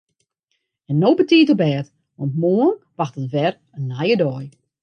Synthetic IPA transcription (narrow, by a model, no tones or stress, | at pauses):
ɛnːoːbətiːtɔbɛːt | ʋɔntmoːənʋaxtətʋɛr | ənlajədɔj